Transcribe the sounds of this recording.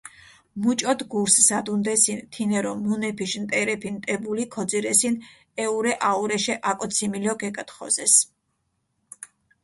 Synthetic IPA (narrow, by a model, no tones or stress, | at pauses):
mut͡ʃʼɔd̪ɡuɾsz̥ad̪und̪ɛsint̪ʰinɛɾɔmunɛpʰiʃnt̪ʼɛɾɛpʰint̪ʼɛbulikʰɔd̪ziɾɛsin | ɛuɾɛʔauɾɛʃɛʔakʼɔt̪sʰimilɔɡɛkʼat̪χɔ̰zɛs